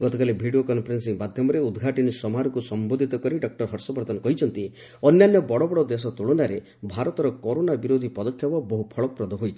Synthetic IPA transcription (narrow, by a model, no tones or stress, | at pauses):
ɡ̥ɔt̪ɔkalebʱiɽiokɔnpʰɔɾensiŋmad̪ʱjɔmɔɾeud̪ɡʱaʈinisɔmaɾɔkusɔmbod̪ʱit̪ɔkɔɾiɖɔk̚ʈɔɾɦɔɾsɔbɔɾt̪ɔnɔkɔɦit͡ʃʰɔnt̪i | ɔnjanjɔbɔɽɔbɔɽɔd̪es̬ɔt̪uɭonaɾe | bʱaɾɔt̪ɔɾɔkɔɾonabiɾod̪ʱipɔd̪ɔkʰjabɔbɔɦupʰɔɭɔkɔpɾɔd̪ʱɔɦojt͡ʃʰi̥